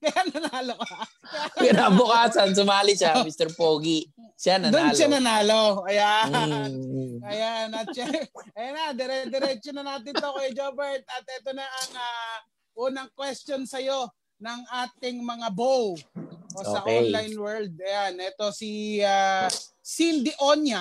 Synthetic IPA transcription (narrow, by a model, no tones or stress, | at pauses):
kɐjanɐnaːlokɐɐ | kɪnabʊkaːsɐns̬ʊmaːlɪʃamist̪ɛɾpoːɡiʃanɐd̪onʃanɐnaːloʔɐjanɐjanɐt̪̚ʃaɐjanɐd̪ɛɾɛd̪ɛɾɛt͡ʃonɐnaːt̪ɪnt̪okɐjd͡ʒobɛɹt̪̚ɐt̪̚ʔɛt̪onaʔɐŋa | ʔuːnɐŋkwɛst̪jonsɐjo̞ | nɐŋʔaːt̪ɪŋmɐŋabowʔoosɐʔonlajnwɛɹld̪̚ɐjanɛt̪o̞sia | sind̪ɪʔonjɐ